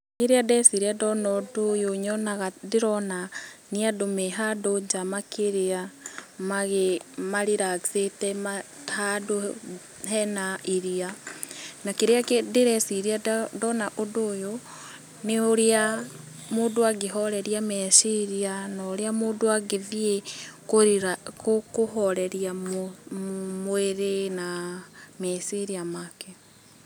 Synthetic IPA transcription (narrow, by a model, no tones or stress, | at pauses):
eɾeadɛsiɾiadɔnɔdojoɲɔnaɣadeɾɔnaniadomeɦadod͡ʒamakeɾeamaɣemaɾiɾaɡsetɛmahado | ɦɛnaʔiɾia | nakeɾeakedeɾɛsiɾiadɔnaʔodojo | neoɾea | moːdoaɡeɦɔɾɛɾiamɛsiɾianaoɾeamoːdoaɡevjekoɾiɾakokoɦɔɾɛɾjamo | mweɾenamesiɾiamake